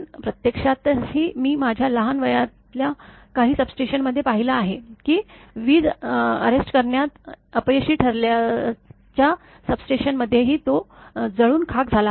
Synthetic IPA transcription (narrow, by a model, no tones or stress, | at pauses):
pɾət̪jekʂat̪hiːmiːmad͡ʑʱjaləɦanʋəjatlja | kaɦiːsəbsʈeɕənməd̪ʱːjepaɦilaːɦekiːʋiːd͡zə̰ɾesʈkəɾɳjat̪əpəjəɕiːʈʰəɾlja | t͡ɕja | səbsʈeɕənməd̪ʱːjeɦiːt̪od͡zəɭuːnkʰak̚d͡zʱala